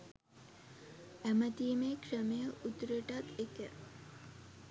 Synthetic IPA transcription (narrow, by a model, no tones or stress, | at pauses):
æmət̪imekʂəmejəʔut̪ɾəʈat̪ekə